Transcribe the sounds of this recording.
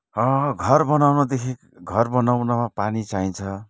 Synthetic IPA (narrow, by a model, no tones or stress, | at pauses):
ʌɡʱʌrbʌnawnʌd̪ekʰik | ɡʱʌrbʌnawnʌmapanit͡saĩnt͡sʰʌ